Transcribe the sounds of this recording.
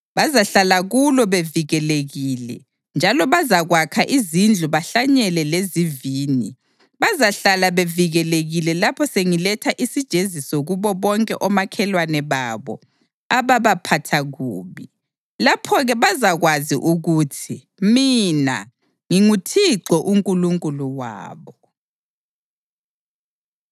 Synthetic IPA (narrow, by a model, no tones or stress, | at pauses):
βazaɬalaɣulɔβeviɣɛleɣilɛ̰ | nd͡ʒʱalɔβazaɣwakʰaʔizind͡ɮʱuβaɬaɲɛlɛleziviːni | βazaɬalaβeviɣɛleɣilɛlapʰɔseŋilɛtʰaʔisid̥ʒ̥ʱezisɔɣuβɔβɔŋkʼɛʔɔmakʰɛlwanɛβaβɔ̰ | aβaβapʰatʰaɣuːβi | lapʰɔɣɛβazaɣwazḭʔuɣutʰi | mina̰ | ŋiŋutʰiǀɔʔuŋkʼuluŋkʼuluwa̰ːβɔ